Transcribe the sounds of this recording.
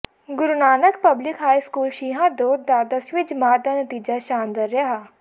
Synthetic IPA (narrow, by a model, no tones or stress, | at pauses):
ɡʊɾnaːnəkpəblɪkɦaːiskuːlʃiːɦãd̪oːd̪̚ːaːd̪əsʋɪd͡ʒmaːd̪anət̪iːd͡ʒaʃaːnd̪əɾɐɦaː